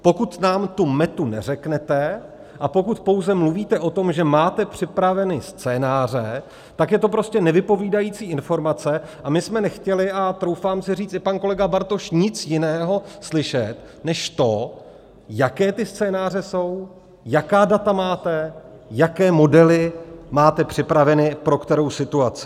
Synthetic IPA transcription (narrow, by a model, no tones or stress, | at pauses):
po̞kut̪naːmt̪umɛt̪unɛ̰rɛknɛt̪ɛ | ʔapo̞kut̪po̞wzɛmluviːt̪ɛʔo̞t̪o̞mʒɛmaːt̪ɛpr̝̥ɪpɾavɛnɪst͡sɛːnaːr̝ɛ | t̪akjɛt̪op̬ɾo̞scɛnɛvɪpo̞viːdajiːt͡siːʔɪnfo̞ɾmat͡sɛʔamɪsmɛnɛxcɛlɪʔat̪ɾo̞wfaːmsɪriːt͡st̪ɪpanko̞lɛɡabaɾt̪o̞ʃɲɪt͡sjɪnɛːɦo̞slɪʃɛt̪ | nɛʃt̪o̞ | jakɛːt̪ɪst͡sɛːnaːr̝ɛso̞w | jakaːdat̪amaːt̪ɛ | jakɛːmo̞dɛlɪmaːt̪ɛpr̥ɪpɾavɛnɪpɾo̞kt̪ɛɾo̞wsɪt̪uat͡sɪ̥